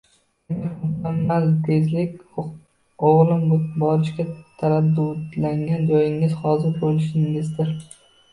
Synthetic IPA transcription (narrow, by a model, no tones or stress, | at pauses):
nɪmʊkʰʲamːalt̪ʰezlɪkʲ | oʁlɪmbɒɾɪʃkʲat̪ʰaɾad̪ːʊd̪laŋɡʲand͡ʒɒjɪŋɪz̥hɒzɪɾbolɪʃɪŋɪzd̪ɪɾ